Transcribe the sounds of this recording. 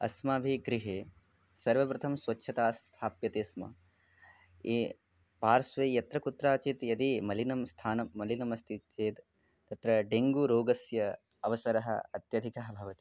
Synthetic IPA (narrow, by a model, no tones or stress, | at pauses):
ɐ̰smaːbʱiɡɾiɦeː | sɐɾʋɐpɾut̪ʰɐmsʋɐtːʃʰɐt̪aːst̪ʰaːpjɐt̪eːsmɐ̰ | e | paːɾsʋejjɐt̪ɾɐkut̪ɾaːt͡ʃit̪jɐd̪imɐlinɐmst̪ʰaːnɐmːɐlinɐmɐst̪ʰit͡ʃeːt̪ | t̪ɐt̪ɾɐɖeŋɡuɾoːɡɐsjɐ | ɐʋɐsɐɾɐɦɐ̰ɐt̪jɐd̪ʱikɐɦɐbʱɐʋɐt̪i̥